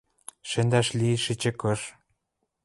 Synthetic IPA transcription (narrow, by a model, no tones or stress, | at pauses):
ʃĕnd̪æʃliʃit͡ɕĕkɤ̆ʃ